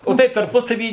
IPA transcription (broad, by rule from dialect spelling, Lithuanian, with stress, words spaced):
oː ˈtɐɪp tɐrˈpʊsɐʋʲiː